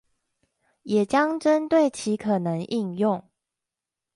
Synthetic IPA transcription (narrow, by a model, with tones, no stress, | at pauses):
jɛ˨˩t͡ɕjɑ˦ŋʈ͡ʂə˦nt̪we˥˩ɪt͡ɕʰi˨˦kʰɤ˨˩nə˧˦ŋʔi˥˧njʊ˥˨ŋ